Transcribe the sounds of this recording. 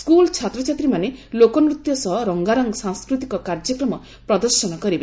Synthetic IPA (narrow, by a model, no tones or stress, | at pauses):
skult͡ʃʰat̪ɾɔt͡ʃʰat̪ɾimanelokɔnɾut̪jɔsɔɦɔɾɔŋɡaɾɔŋɡsãŋskɾut̪ikɔkaɾd͡ʒɔkɾɔmɔ | pɾɔd̪ɔɾsɔnɔkɔɾibe